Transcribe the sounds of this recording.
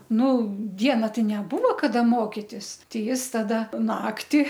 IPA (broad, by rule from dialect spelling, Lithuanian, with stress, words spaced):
ˈnʊ ˈdʲiɛnɐ ˈtɐɪ nʲɛˈbʊʋoː kɐˈdɐ ˈmoːkʲɪtʲɪs ˈtʲɛɪ ˈjɪs tɐˈdɐ ˈnɑːktʲɪ